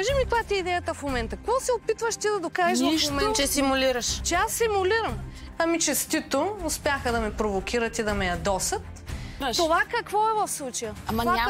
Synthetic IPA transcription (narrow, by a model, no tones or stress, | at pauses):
kaʒimikojat̪iɛid̪ɛjət̪əfmomɛnt̪ɐkoɔsɛopit̪vəʃt̪id̪ɐd̪okaʒɛʃ̬vɐʃmomɛt͡ʃɛsimuliɾɐʃt͡ʃɛasːimʊliɾɐm | ɐmit͡ʃɛst̪it̪oʊspʲjaxəd̪ɐmɛpɾovok̟iɾət̪id̪ɐmɛjɐd̪ɔsɐt̪ | t̪ovakɐkvɔɛvɐfslˠut͡ʃɐjəɐa